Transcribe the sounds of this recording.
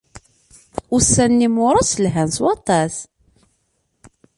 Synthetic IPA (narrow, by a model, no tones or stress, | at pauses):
ʊsːænːimʊɾˤɑsəlɦænswɑt̪ˤɑs